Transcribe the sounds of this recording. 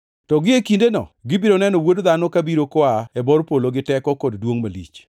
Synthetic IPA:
tɔɡɪekindenɔ̰ɡɪbɪɾonɛnɔwodd̪anɔkabiɾokwaɛbɔrpoloɡɪtɛkɔkoddwoŋmalḭt͡ʃ

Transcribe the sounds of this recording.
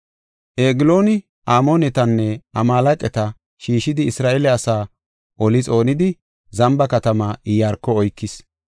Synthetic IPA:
ʔeːɡɪlo̞ːnɪ | ʔaːmoːnɛt̪ɐnːɛʔɐmaːlɐkʼɛt̪ɐ | ʃiːʃɪd̪ɪɪsɾaːʔeːlɛɐsaː | ʔɔlɪt͡sʼo̞ːnɪd̪ɪ | zɐmbɐkɐt̪ɐmaʔɪjaːɾkːɔɔjkːɪs

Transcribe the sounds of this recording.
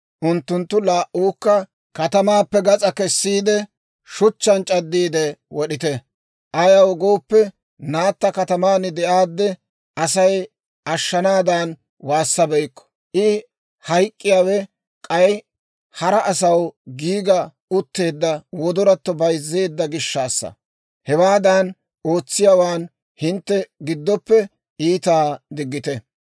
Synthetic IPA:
ʔʊnt̪ːʊnt̪ːʊlaːʔuːkːɐ | kɐt̪ɐmaːpːɛɡɐt͡sʼɐkɛsːiːd̪ɛ | ʃʊt͡ʃːɐnt͡ʃʼɐd̪ːiːd̪ɛwɔɗɪt̪ɛ | ʔɐjɐwɔɡo̞ːpːɛ | naːt̪ːɐkɐt̪ɐmaːnɪd̪ɛʔaːd̪ːɛ | ɐsɐj | ʔɐʃːɐnaːd̪aːn | waːsːɐbɛjkːɔ̥ | ʔɪ | hɐjkʼːɪjaːwɛ | kʼɐj | hɐɾɐʔːsɐwɡiːɡɐ | ʊt̪ːe̞ːd̪ːɐwɔd̪ɔɾɐt̪ːɔbɐjzːe̞ːd̪ːɐɡɪʃːaːsːɐ̰ | hɛwaːd̪ɐn | ʔo̞ːt͡sːɪjaːwaːn | hɪnt̪ːɛɡɪd̪ːɔpːɛ | iːt̪aːd̪ɪɡːɪt̪ɛ

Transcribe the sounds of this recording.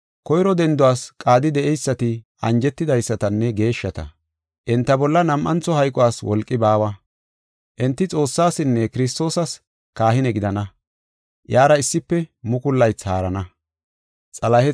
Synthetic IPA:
kɔjɾɔd̪ɛnd̪ʊwaːskʼaːd̪ɪd̪ɛʔɛjsːɐt̪ɪ | ɐnd͡ʒɛt̪ːɪd̪ɐjsːɐt̪ɐnːɛɡe̞ːʃːɐt̪ɐ̰ | ʔɪnt̪ːɐbɔlːɐnɐmʔɐnt͡sːɔhɐjkʼɔwaːswɔ̰lkʼːɪbaːwɐ | ʔɛnt̪ːɪt͡sʼo̞ːsːaːsɪnːɛkɪɾɪs̬t̪o̞ːsɐs | kaːhɪnɛɡɪd̪ɐnɐ | jaːɾɐɪsːɪpːɛmʊkʊlːɐjt͡shaːɾɐnɐ | t͡sʼɐlɐhɛ

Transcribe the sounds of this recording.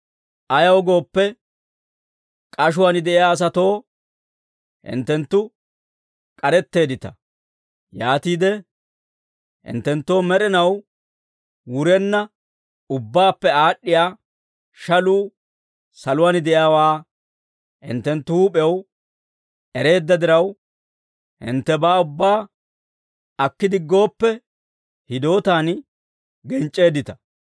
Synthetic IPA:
ʔɐjɐwɡo̞ːpːɛ | kʼɐʃ̬ʊwanɪd̪ɛʔɪjaːɐs̬ɐt̪o̞ː | hɪ̰nt̪ːɛnt̪ːʊ | kʼɐɾɛt̪ːe̞ːd̪ɪt̪ɐ | jaːt̪iːd̪ɛ | hɪ̰nt̪ːɛnt̪ːo̞ːmɛɾɛnɐw | wʊɾɛnːɐ | ʊbːaːpːɛaːɗːɪjaː | ʃɐluː | sɐlʊwaːnd̪ɛʔɪjaːwaː | ɪ̰nt̪ːɛnt̪ːʊuːpʼɛw | ʔɛɾe̞ːd̪ːɐd̪ɪɾɐw | ɪ̰nt̪ːɛbaːʊbːaː | ɐkːɪd̪ɪɡːo̞ːpːɛ | hɪd̪o̞ːt̪aːn | ɡɛnt͡ʃʼːe̞ːd̪ɪt̪ɐ̥

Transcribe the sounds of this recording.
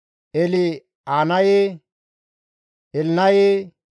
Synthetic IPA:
eli | anaje | elnaje

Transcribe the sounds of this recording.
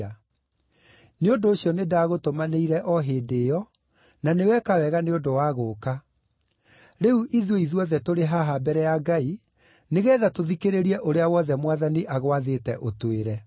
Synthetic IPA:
a | neondoːɕjɔnedaːɣotomaneiɾɛʔɔɦeːdejɔ | nanewɛkawɛɣaneondowaɣoːka | ɾeuʔiðoiðwɔðɛtoɾeɦaɦabɛɾɛjaɡai | neɣɛːðatoðikeɾeɾiɛʔoɾeawɔðɛmwaðaniʔaɣwaðetɛʔotweɾɛ

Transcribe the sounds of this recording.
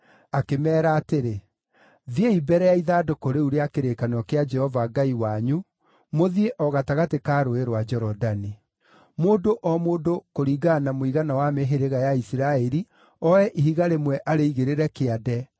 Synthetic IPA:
akemɛːɾaːteɾe | ðeibɛɾɛjaiðaːdokoɾeuɾeakeɾekanɔkead͡ʒɛhɔvaɡaiwaɲu | moðieʔɔɣataɣatekaːɾoeɾwad͡ʒɛɾɔdani | moːdoʔɔmoːdokoɾiːɡanamoiɣanawameɦeɾeɣajaisiɾaɛɾi | ɔɛʔiɦiɣaɾemwɛʔaɾeiɣeɾeɾɛkeadɛ

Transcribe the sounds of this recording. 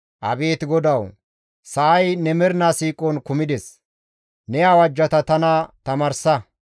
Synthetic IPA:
ʔɐ̰be̞ːt̪ɪɡɔd̪ɐw | sɐːjnɛmɛɾnasiːkʼɔnkʊmɪd̪ɛs | nɛawɐd͡ʒːɐt̪ɐt̪ɐnɐt̪ɐmɐɾsɐ

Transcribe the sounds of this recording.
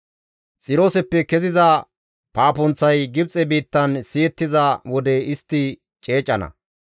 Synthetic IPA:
t͡sʼɪɾo̞ːsɛpːɛkɛzɪzɐ | paːpʊnt͡sːɐjɡɪb̚t͡sʼɛbiːt̪ːɐnsiːɛt̪ːɪzɐwɔd̪ɛɪst̪ːɪ | t͡ʃʼe̞ːt͡ʃʼːɐnɐ̰

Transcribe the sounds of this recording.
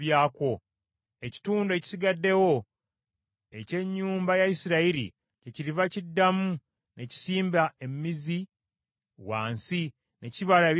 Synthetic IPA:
jaːko̞ | eci̥tuːndoe̞ci̥siɡadːe̞wo̞ | e̞ce̞ɲːuːmbajaisiɾaiɾḭ | ce̞ciɾivacidːamu | ne̞ci̥siːmbae̞mmizi | wa̰ːnsi | ne̞ciβalaeβ

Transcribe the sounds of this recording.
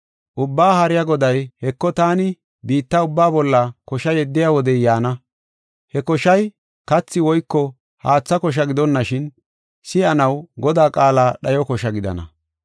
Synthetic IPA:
ʔʊbːaːhɐɾɪjaɡɔd̪ɐjhɛkːɔt̪aːnɪ | biːt̪ːɐʊbːaːbɔlːɐkɔʃɐjɛd̪ːɪjaːwɔd̪ɛjaːnɐ | hɛkɔʃɐj | kɐt͡sːɪwɔjkːɔ | haːt͡sːɐkɔʃ̬ɐɡɪd̪ɔnːɐʃɪn | sɪɐnɐwɡɔd̪aːkʼaːlaːɗɐjɔkɔʃɐɡɪd̪ɐ̰nɐ̰

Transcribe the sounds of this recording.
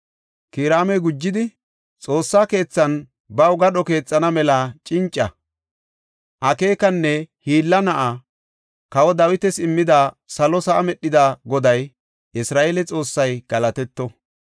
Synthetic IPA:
kiːɾaːmɛɡʊd͡ʒːɪd̪ɪ | t͡sʼo̞ːsːaːke̞ːt͡sːɐn | bɐwɡɐɗɔke̞ːt͡sʼːɐnɐmɛlɐt͡ʃʼɪnt͡ʃʼːɐ | ʔɐke̞ːkɐnːɛhiːlːɐnɐʔa | kɐwɔd̪ɐwɪt̪ɛsɪmːɪd̪a | sɐlɔsɐʔːmɛɗːɪd̪aɡɔd̪ɐj | ʔɪsɾaːʔelɛt͡sʼo̞ːsːɐjɡ̥ɐlɐt̪ɛt̪ːɔ

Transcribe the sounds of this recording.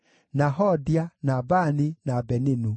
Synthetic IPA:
naɦɔdianabaninabɛninu

